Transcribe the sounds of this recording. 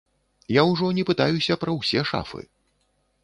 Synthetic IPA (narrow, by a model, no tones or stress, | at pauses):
jawʐɔnʲɛpɨt̪ajusʲɐpɾɐwsʲɛʂa̰fɨ̰